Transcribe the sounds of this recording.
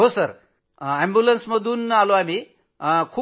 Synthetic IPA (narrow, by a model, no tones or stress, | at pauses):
ɦosəɾ | ɛmbjulənsməd̪uːnaloami | kʰuː